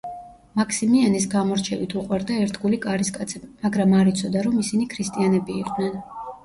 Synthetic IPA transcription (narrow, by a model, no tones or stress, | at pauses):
makʰsimianisɡamɔɾt͡ʃʰɛvit̪ʰuqʼwaɾd̪aɛɾt̪ʰɡulikʼaɾiskʼat̪sʰɛbimaɡɾamaɾit̪sʰɔd̪aɾɔmisinikʰɾist̪ʼianɛbiːqʼnɛn